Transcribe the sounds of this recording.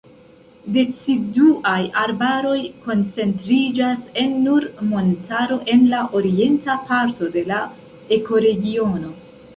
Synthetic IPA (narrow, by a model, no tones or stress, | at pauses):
de̞t͡siduʔajaɾbaɾo̞jko̞nt͡se̞ntɾid͡ʒase̞nːuɾmo̞ntaɾo̞ʔe̞nlaʔo̞ɾie̞ntapaɾto̞de̞la | e̞ko̞ɾe̞ɡio̞no̞